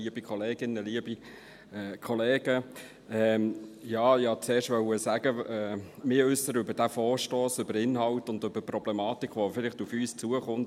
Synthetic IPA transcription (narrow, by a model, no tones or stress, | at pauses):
iəb̥ikʰɔleːɡ̥ɪnːəliəbi | ɛːkʰɔleːɡ̥ə | ɛjɑːɪhɑt͡seːɾʃtʋœʊəsæɡ̥əɛːmɪːɾʏsəɾʏbəɾd̥æfɔːɾʃtoːsʏbəɾɪnhɑltʊndøb̥əprɔb̥lɛmɑːtikχʋofɪlɪχtufyːst͡suəχʊnt